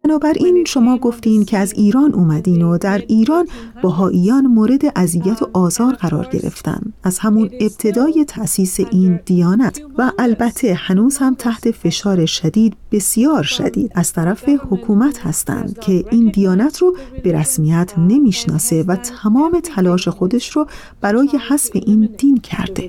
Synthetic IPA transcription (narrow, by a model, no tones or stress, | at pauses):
bænɒːbæɾʔiːnʃo̞mɒːɡo̞ft̪iːn̥cʰeæziːɾɒːnʔuːmæd̪iːnod̪æɾiːɾɒːnb̥æɦɒːʔijɒːnmoːɾe̞d̪e̞ʔæzijæt̪ʰoʔɒːzɒːɾɣæɾɒ̰ːɾɟe̞̰ɾe̞̰ft̪æ̰nd̪æz̥hæmune̞b̥̚t̪ʰe̞d̪ɒːje̞t̪ʰæʔsiːse̞ʔiːnd̪̥ijɒːnæt̪ʰvæʔælbæt̪ʰːe̞hænuːz̥hæmt̪ʰæht̪ʰe̞fe̞ʃɒːɾe̞ʃæd̪iːd̪be̞sijɒːɾʃæ̰d̪ḭːd̪̥æz̥t̪ʰæɾæfe̞hokʰuːmæt̪hæ̰st̪æ̰nd̪̥cʰe̞ʔiːnd̪ijɒːnæt̪ʰrɔb̥e̞ɾæsmijæt̪ʰne̞miːʃnɒ̰ːse̞væt̪ʰæmɒːme̞t̪ʰælɒːʃe̞xo̞d̪e̞ʃɾɔ | b̥æɾɒːje̞hæsfe̞̰ʔiːnd̪̥iːncʰæ̰ɾd̪̥e̞